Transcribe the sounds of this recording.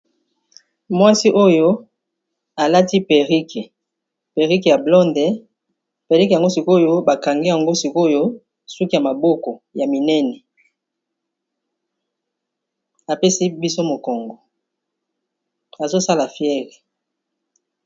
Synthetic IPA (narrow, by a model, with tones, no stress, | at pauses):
mwa˦si˦ʔo˦jo˦ | a˨la˦ti˦pe˨ʁi˦ke˨ | pe˨ʁi˦ke˨ja˨blɔ˦ndɛ˨ | pe˨ʁi˦ke˨ja˨ŋɡo˦si˨ko˦jo˦ba˨ka˨ŋɡi˦ja˨ŋɡo˦si˨ko˦jo˦ | su˦ki˦ja˨ma˨bo˦kɔ˨ja˨mi˨nɛ˦nɛ˨ | a˨pe˦si˦bi˦so˦mo˨kɔ˨ŋɡɔ˨ | a˨zo˦sa˦la˨fjɛ˦ʁe˨